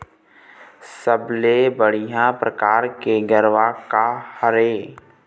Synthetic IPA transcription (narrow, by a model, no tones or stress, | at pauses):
səblebəɽ̤ijãpɾəkaːɾkeɡəɾʋakahəɾeː